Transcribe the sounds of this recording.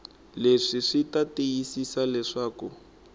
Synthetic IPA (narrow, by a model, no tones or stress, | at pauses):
leʂiʂitatejisisalɛʂaːku